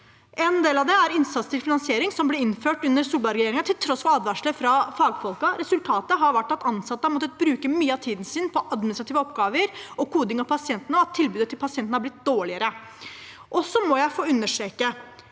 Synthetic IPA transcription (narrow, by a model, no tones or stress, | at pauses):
ʔɛnd̪eːlɑʋd̪ɛæɾɪnsɑt̪st̪ʰɪlfɪnɑnsɪeːɾɪŋsɔmblɪɾɪnføːʈʉnːəɾsuːlbɑɾɛjeːɾɪŋɑt̪ʰɪlt̪ʰɾɔsfɔɾɑːd̪ʋæʂɭəfɾɑfɑːɡfɔlkɑɾɛsʉlt̪ʰɑːt̪əɦɑɾʋæʈːɑt̪ɑnsɑt̪ːəhɑmɔt̪ːət̪̚bɾʉːkəmyːəɑt̪ʰiːd̪n̩sɪnpʰɔʔɑd̪mɪnɪst̪ɾɑt̪iːʋəɔpɡɑːʋəɾɔkuːd̪ɪŋɑʋpʰɑsɪɛnt̪ənəɑt̪ʰːɪlbʉːd̪ət̪ʰːɪlpʰɑsɪɛnt̪ənəhɑblɪt̪̚d̪oːɭɪəɾə | ʔɔsɔmɔjæɪfoːʉnːəʂeːkə